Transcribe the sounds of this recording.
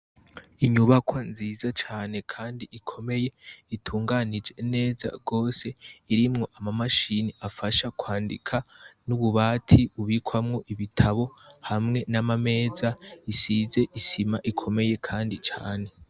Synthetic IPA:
iɲuβakʰwanziːzat͡ʃaːne̞kʰaːndiʔikʰo̞me̞je̞itʰuːŋɡanid͡ʒe̞ne̞ːza̰ɡ̥o̞ːse̞iɾimŋo̞ʔamamaʃiniafaʃakwaːndḭkʰanuβuβaːtʰiβuβikwamŋo̞ʔiβitʰaβo̞hamŋe̞namame̞ːzaisize̞ʔisimaʔikʰo̞me̞je̞kʰaːndit͡ʃa̰ːne̞

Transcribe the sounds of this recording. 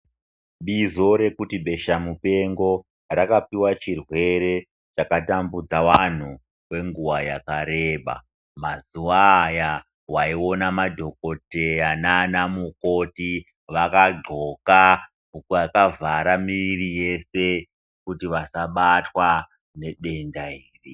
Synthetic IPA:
ɓizo̞ɾe̞kutiɓe̞ʃamupe̞ŋɡo̞ | rakapiwat͡ʃirwe̞ɾe̞ | t͡ʃakatambud͡zawan̤u | we̞ŋɡuwajakaɾe̞ɓa̰ | mazuwaja | waio̞namadʱo̞ko̞te̞jananamuko̞ti | ʋakaɡ͡ǃo̞ka | ukakavaɾamiʋirije̞se̞ | kutiʋasaɓatwa | ne̞ɓe̞ndaiːri

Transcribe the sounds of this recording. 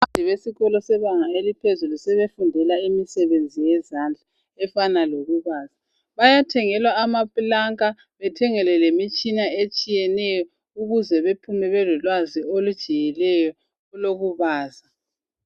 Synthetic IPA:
adʱiβesiɣɔlɔsɛβaŋaelipʰezulusɛβefundʱɛlaimisɛβend͡zʱijɛzand͡ɮʱa | ɛfanaloɣuβaːza | βajatʰɛŋɛlwaːmapʼlaŋkʼa | βɛtʰɛŋɛlɛlemit͡ʃʼinaet͡ʃʼijɛnɛjɔ | uɣuzɛβepʰumɛβɛlulwaziolud̥ʒ̥ʱijɛlɛjɔ | uloɣuβaːza

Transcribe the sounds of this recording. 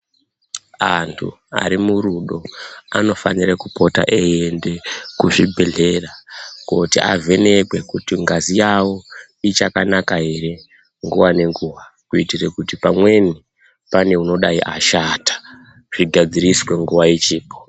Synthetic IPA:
antʰṵ | a̰ɾimuɾuɗo̞ano̞fanirekupo̞ta̰ʔejende̞kuʐibʱe̞ɮe̞rakotiʔa̰ve̞ne̞kwe̞kutiŋɡazijawo̞ | it͡ʃakanakaɦe̞ɾe̞ | ŋɡuʋwane̞ŋɡuːʋakuitire̞kutipamwe̞ni | pane̞uno̞ɗaiʔaʃaːtḁ | ʐ̥iɡʱad͡ziriswe̞ŋɡuʋajet͡ʃiːpo̥

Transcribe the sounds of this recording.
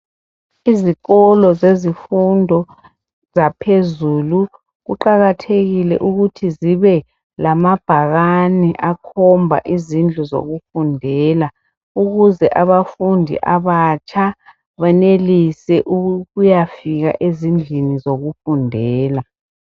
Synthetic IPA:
iziɣɔlɔzezifundʱɔ | z̥apʰezuːlu | ɣuǃaɣatʰeɣilɛ̰ʔuɣutʰiziβɛ | lamab̥ʱaɣaniʔakʰɔmbʱa̰ʔizind͡ɮʱuzo̰ɣufundʱɛːla | uɣuzɛʔaβafundʱḭʔaβat͡ʃʰʼa | βɛnelisɛʔuɣujafiɣa̰ʔezind͡ɮʱinizoɣufundʱɛːla

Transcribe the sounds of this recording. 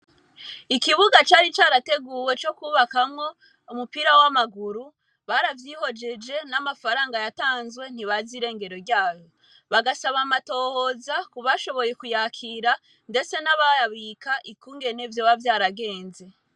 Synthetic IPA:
ikiβuɡat͡ʃaːɾit͡ʃaːɾate̞ɡuːwe̞t͡ʃo̞kuːβakamŋo̞ | umupiɾawamaɡuɾu | βaɾavjiːho̞d͡ʒe̞d͡ʒe̞namafaɾaːŋɡajataːnzɡwe̞n̥iβaziɾe̞ːŋɡe̞ɾo̞ɾɟaːjo | βaɡasaβamato̞ːho̞ːzakuβaʃo̞βo̞je̞kujakʰiɾa | nde̞t͡se̞naβajaβikaʔikuːŋɡe̞ne̞vjowavjaːɾaɡe̞ːnze̞

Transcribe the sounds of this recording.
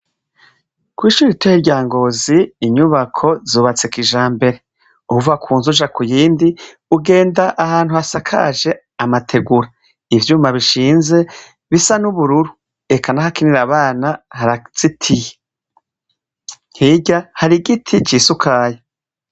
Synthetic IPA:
kwiːʃuːɾiitejeɾɟaːŋɡo̞ːziːɲuβakʰo̞zoːβat͡sekiʒaːmbe̞ɾe̞ | ukuvakʰuːnzuʒakujiːndi | uɡe̞ːndaʔahaːn̥huasakʰa̰ʒe̞ | amatʰe̞ɡuɾa | ivjuːmaβiʃiːnze̞ | βisanuβuɾuɾu | e̞kʰanahakiniɾaβaːnahaɾaz̥itʰije | hiɟahaɾiɡitʰit͡ʃiːsukʰaje

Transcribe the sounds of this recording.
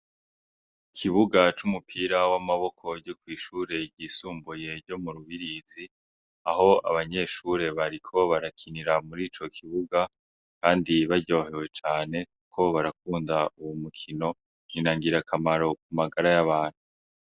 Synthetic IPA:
kʰiβuɡat͡ʃumupʰiːɾawamaβo̞kʰo̞ɟokwiːʃuːɾe̞ɟiːsuːmbuje̞ɾɟo̞muɾuβiɾizi | aɦo̞a̰βaɲe̞ːʃuːɾe̞βaɾikʰo̞βaɾakʰiniɾamuɾiːt͡ʃo̞kʰiβuɡa | kaːndiβaɾɟo̞ːɦe̞we̞t͡ʃaːne̞kukʰo̞βaɾakuːndauwumukʰino̞ | inaːŋɡiɾakʰamaɾo̞k̚umaɡaɾajaβaːn̥hu

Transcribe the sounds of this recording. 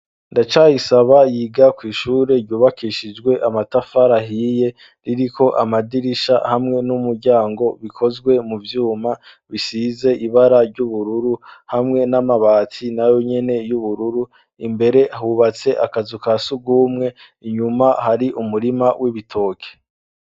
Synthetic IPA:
ndat͡ʃajisaβajiːɡakwiːʃuːɾe̞ɾɟuːβakʰiʃid͡ʒɡwe̞ʔamatafaɾaɦiːje̞ | ɾiɾikʰo̞ʔa̰madiɾiʃa̰hamŋe̞numuɾɟaːŋɡo̞βikʰo̞zɡwe̞muvjuːma | βisize̞ʔiβaɾaɾɟuβuɾuɾuhamŋe̞namaβaːt͡sinajo̞ɲe̞ne̞juβuɾuɾu | imbe̞ɾe̞ʔaɦuβat͡se̞ʔa̰kazukasuɡuːmŋe̞ | iɲumahaɾiʔumuɾimawʔiβitʰo̞ːkʰe̥

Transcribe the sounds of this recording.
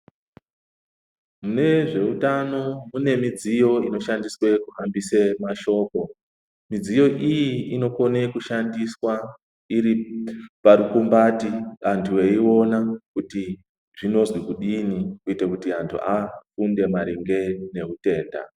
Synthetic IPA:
mune̞ʐe̞utano̞mune̞mid͡zijo̞ino̞ʃandiswe̞kuambisemaʃo̞ːko̞ | mid͡zijo̞ʔijiino̞ko̞ne̞kuʃandiswa | iɾipaɾukumbatiɦantʰuweio̞nakuti | ʐ̥ino̞zwikuɗinikuitekutiɦantʰṵakunde̞maɾiŋɡe̞ne̞ute̞ːnda̰

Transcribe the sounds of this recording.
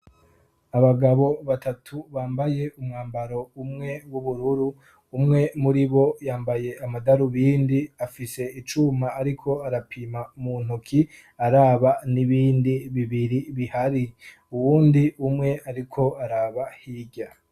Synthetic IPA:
aβaɡaβo̞βatatʰuβaːmbaje̞umŋaːmbaɾo̞umŋe̞wuβuɾuɾuː | mŋe̞muɾiβo̞jaːmbaje̞amadaɾuβiːndiafise̞it͡ʃumaːɾikʰo̞aɾapʰiːmamuːn̥ukʰi | aɾaːβaniβiːndiβiβiɾiβihaɾi | uwuːndiumŋe̞aɾikʰo̞aɾaːβahiːɟa

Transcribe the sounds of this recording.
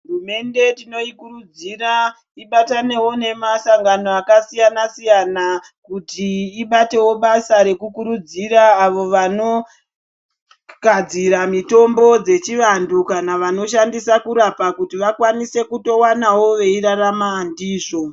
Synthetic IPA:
ɦurume̞nde̞tino̞ikurud͡zira | iɓatane̞wo̞ne̞masaŋɡanoakasijanasijana | kutiːɓate̞wo̞ɓasaɾe̞kukuɾud͡ziɾaːʋo̞ʋano̞ | ɡad͡ziɾamito̞mbo̞d͡ze̞t͡ʃiʋandukanaʋano̞ʃandisakuɾapakutiʋakwanise̞kuto̞wanawo̞ʋe̞iɾaramaːndiːʐo̞

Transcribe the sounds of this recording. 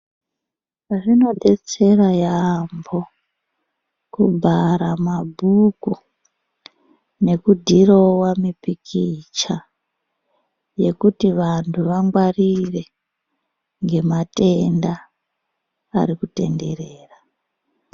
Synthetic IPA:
ʐino̞ɗe̞t͡se̞rajambo̞ | kubʱaɾamabʱuku | ne̞kudʱirowamipikʰit͡ʃa | je̞kutiʋantʰuʋaŋɡwarire̞ | ŋɡe̞mate̞nda | ɾikute̞̰nde̞ɾeːra

